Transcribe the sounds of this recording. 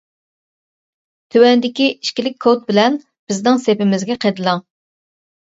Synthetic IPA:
t̪ʰywɛnd̪ɪkʲiʔiʃkʲilɪk̚ʲʰot̪̚bɪlɛn | b̥ɪznɪŋsepɪmɪzɡʲɛqʰed̪ɨlˠɑŋ

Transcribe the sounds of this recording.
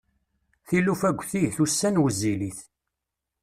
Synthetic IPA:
θilufæɡʷːθiθusːænwzːiliθ

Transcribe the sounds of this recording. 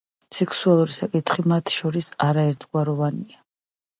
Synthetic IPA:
sɛkʰsualˠuɾisakʼit̪ʰʼχimat̪ʰʃɔɾisaɾaɛɾt̪zɡwaɾɔvania

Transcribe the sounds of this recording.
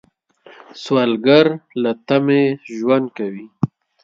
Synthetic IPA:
swalɡaɾlat̪ameʒwand̪̚kawi

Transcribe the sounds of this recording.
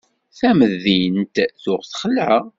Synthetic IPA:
θæməðːint̪θʊʁθχəlʕə

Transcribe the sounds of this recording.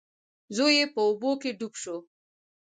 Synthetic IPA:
zojepəubokeɖupʃo

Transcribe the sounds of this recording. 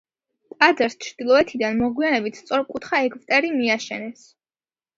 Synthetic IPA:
t̪ʼad̪zaɾst͡ʃʰɾd̪̥ilˠɔɛt̪ʰid̪anmɔɡwianɛbit̪ʰst̪sʼɔɾkʼut̪ʰχaɛkʰvt̪ʼɛɾimiaʃɛnɛs

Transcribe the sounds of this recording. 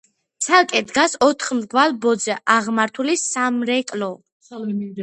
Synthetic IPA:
t̪sʰalˠkʼɛd̪ɡasɔt̪ʰχmzɡvalbɔd̪zɛʔaʁmaɾt̪ʰulisamɾɛkʼlɔ

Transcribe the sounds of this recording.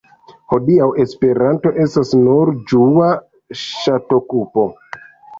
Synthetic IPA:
ho̞diawe̞spe̞ɾanto̞ʔe̞stasnuɾd͡ʒua | ʃato̞kupo̞

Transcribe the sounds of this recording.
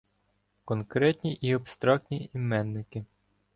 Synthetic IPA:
kɔnkɾɛtʲnʲiʔiɔpst̪ɾɔknʲiimɛnːɪkɪ

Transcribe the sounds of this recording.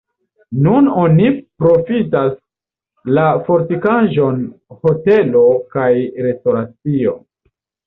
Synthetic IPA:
nuno̞nipɾo̞fitas | lafo̞ɾtikaʒo̞nho̞te̞lo̞kajɾe̞sto̞ɾat͡sio̞̰

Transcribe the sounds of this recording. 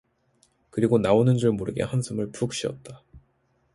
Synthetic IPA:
kɯɾiɡonaonɯnd͡ʑuɭmoɾɯɡḛhansʰɯmɯɭpʰuk̚ɕ͈iʌ̰t̚t͈a

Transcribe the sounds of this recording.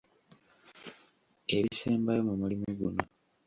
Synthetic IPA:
e̞βiseːmbajomumulimiɡuno

